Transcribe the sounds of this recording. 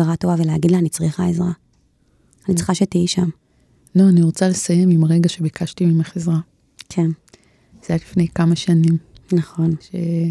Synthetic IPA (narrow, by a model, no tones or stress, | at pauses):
aʁato̞vaveleaɡid̪laːnit͡sʁiχaezʁa | anitt͡sʁi̥χaʃe̞tijiʃam | nuaniʁot͡sale̞saje̞mimaʁe̞ɡaʃe̞bikʰaʃtimimaχezʁa | kʰe̞n | z̥ejalifne̞jkamaʃanimnaχo̞nʃe